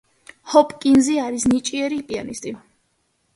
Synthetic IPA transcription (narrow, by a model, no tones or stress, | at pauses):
hɔpʼkʼinziaɾisnit͡ʃʼiɛɾipʼia̰nist̪ʼi